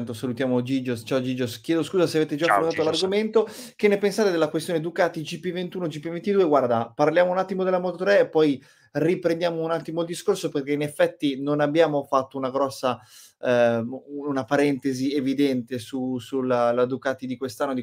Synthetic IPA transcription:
nt̪osalut̪jaːmod͡ʒid͡ʒost͡ʃaod͡ʒiːd͡ʒosk̟jɛːd̪oskuːzaseaveːt̪ed͡ʒaskolt̪at̪olarɡoment̪okenːepensaːt̪ed̪elakwest̪joned̪ukaːt̪id͡ʒipːivent̪uːnod͡ʒipːivent̪id̪ueɡward̪aparljaːmounat̪ːimod̪elamɔt̪ot̪ɾɛːpːɔj | ripɾend̪jaːmounat̪ːimoild̪iskorsoperkeinefːɛt̪ːinonabːjaːmofat̪ːounaɡɾɔsːa | unapaɾɛnt̪ezievid̪ɛnt̪esusulalad̪ukaːt̪id̪ikwest̪anːod̪i

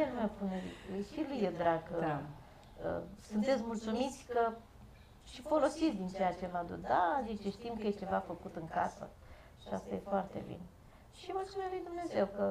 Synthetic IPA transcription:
elmewpunelḭkujʃilujed̪ɾaɡ | ə̰sunt̪e̞t̪sʲmult̪sumit̪sʲkə | ʃifo̞lo̞sit̪sʲd̪int͡ʃejat͡ʃe̞vad̪ṵt̪d̪ad̪it͡ʃeʃt̪imkəjet͡ʃe̞vafəkut̪ɨŋka̰sə̰ | ʃiast̪aje̞foart̪e̞̰bḭn | ʃimultsumelujd̪umne̞ze̞wkə

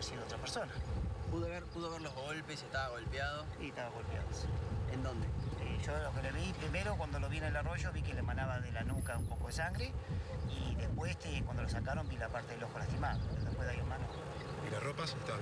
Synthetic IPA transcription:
eɾsiðoot̪ɾapeɾso̞napuðoβeɾpuðoβeɾloɦɣolpeseht̪aβaɣo̞lpjaðosieht̪aβaɣo̞lpja̰ðoesiend̪ond̪eeʒolokeleβipɾimeɾokwand̪oloβienelaro̞ʒo̞βikelemanaβaðelanukaumpo̞koðesaŋɡɾeiðehpwest̪ekwand̪olos̬akaɾo̞mbilapaɾt̪eðeloxolast̪imaðopeɾoðepwezðajomano | ilaropaset̪a

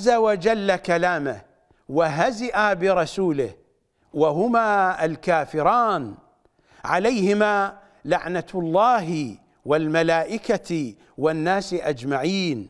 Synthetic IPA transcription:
azːawad͡ʒalːakalaːmah | waɦazɪʔabɪɾˤɑsuːlɪh | waɦʊmaːalkaːfɪɾˤɑːn | ʕalajhɪma | laʕnalˤːɑːɦɪ | wɪlmalaːʔɪka | wɪnːaːsɪʔad͡ʒmaʕiːn

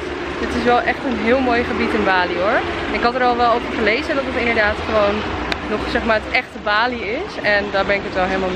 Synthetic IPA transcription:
dɪtɪsʋɛlˠʔɛχtənɦɪːlˠmoːjχəbitɪnbaːliɦʊɹnɪkɦɑtəɾɔlˠʋɛlˠowfəɹχəlejzədɔtətɪndəɹdaːtχəʋownːɔχsɛχmaːɹətɛχtəbaːliɪsɛndaːɹbɛnɪkətʋɛlˠɦelˠmalˠm

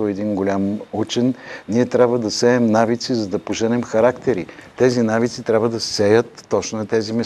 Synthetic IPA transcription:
oɛd̪inɡolʲamut͡ʃɛnniɛt̪ɾʲabvəd̪ɐsɛɛmnavit̪sizɐd̪ɐpoʒɛnɛmxɐɾakt̪ɛɾit̪ɛzinavit̪sit̪ɾʲabvəd̪ɐsɛjət̪ːɔt͡ʃnʊnɐt̪ɛzimɛ

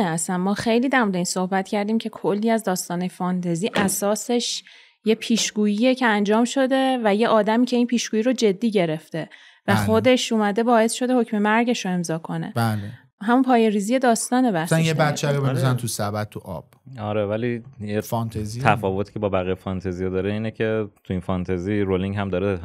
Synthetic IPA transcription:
æsænmɒːxe̞jliːd̪æɾmud̪einso̞hbæt̪cʰæɾd̪iːmcʰe̞kʰo̞lːiːæzd̪ɒːst̪ɒːnejfɒnt̪ʰeziːʔæsɒːse̞ʃ | je̞pʰiːʃɡ̥uːjijecʰe̞ænd͡ʒɒːmʃo̞d̪e̞væje̞ʔɒːd̪æmiːcʰe̞inpʰiːʃɡuːjiɾod͡ʒe̞d̪ːiːɟe̞ɾe̞ft̪e̞ | væxo̞d̪e̞ʃuːmæd̪e̞bɒːe̞sʃo̞d̪eho̞cme̞mæɾɟe̞ʃo̞e̞mzɒːkʰo̞nḛbæle | ɦæmunpʰɒːjeɾiːzije̞d̪ɒːst̪ɒːnebæsanjebæt͡ʃʰːeɾobeznt̪ʰusæbæt̪ʰːuʔɒb̥ɒɾevælijefnt̪ʰezit̪ʰæfɒːvot̪ʰi̥ːkcʰebɒːbæɣijefɒnt̪ʰezijed̪ɒːɾeiːnecʲʰe̞t̪ʰuinfɒnt̪ʰeziɾoliŋɡhæmd̪ɒːɾe

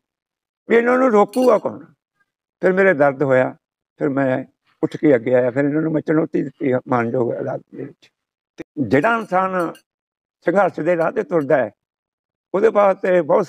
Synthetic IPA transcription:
ʋiːɪnãːnũːɾoːkuːɡaːkɔ̰ɾnaː | pʰɪɾmeːɾeːd̪əɾd̪ɦoːjaː | pʰɪɾmɛ̃ː | ʊʈʰkeːəɡeːaːjaːpʰɪɾɪnãːnũːmət͡ʃːənʊt̪iːd̪ɪt̪ːiːmaːnd͡ʒoːɡəd̪a̰ːd̪t̪d̪eːʋɪt͡ʃ | t̪eːd͡ʒeːɽãːɪnsaːn | səŋɡʱəɾt͡ʃd̪eːɾaːt̪eːt̪ʊɾd̪aːɛː | oːd̪eːpaːst̪eːbɔːt̪

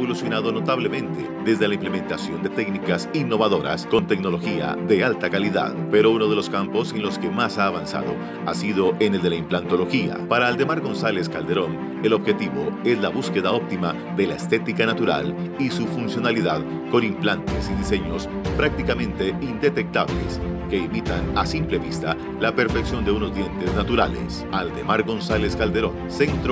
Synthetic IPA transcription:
olusjonaðo̞no̞t̪aβle̞mẽ̞nt̪e̞ðe̞zðelaimple̞mẽ̞nt̪asjo̞nd̪e̞t̪e̞knikasinːo̞βaðo̞ɾa̰sko̞nt̪e̞kno̞lo̞xia̰ðe̞alt̪akaliða̰ðpe̞ɾo̞uno̞ð̞e̞lo̞skampo̞se̞nlo̞ske̞masaːβansa̰ðo̞̰ | asiðo̞ʔene̞ld̪elaimplant̪o̞lo̞xia̰paɾaːld̪e̞maɾɣo̞nsale̞skald̪e̞ɾo̞ŋ | e̞lo̞βxe̞t̪iβo̞̰e̞zlaβuske̞ðao̞p̚t̪ima | ðe̞laest̪e̞t̪ikanat̪uɾa̰lisufunsjo̞naliðað | ko̞nimplant̪esiðise̞ɲo̞s | pɾak̚t̪ikamẽ̞nt̪e̞ind̪e̞t̪e̞k̚t̪aβle̞̰ske̞imit̪anasimple̞βist̪a | lape̞ɾfe̞ksjo̞nd̪e̞uno̞zd̪je̞nt̪e̞znat̪uɾa̰le̞̰s | ald̪e̞maɾɣo̞nsale̞skald̪e̞ɾo̞nsent̪ɾo

